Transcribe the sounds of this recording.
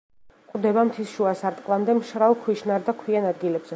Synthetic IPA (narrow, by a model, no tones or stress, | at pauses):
qʼd̪ɛbamt̪ʰisʃuasaɾt̪ʼqʼlˠamd̪ɛmʃɾalˠkʰwiʃnaɾd̪akʰwianad̪̚ɡilɛbz̥ɛ